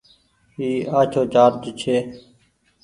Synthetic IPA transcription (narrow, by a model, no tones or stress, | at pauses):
iːaːt͡ʃʰoːd͡ʒaːɾd͡ʒt͡ʃʰeː